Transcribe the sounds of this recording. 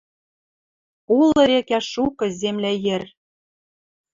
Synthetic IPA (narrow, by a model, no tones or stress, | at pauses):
ulɤ̆ɾekæʃukɤ̆zemlæjĕr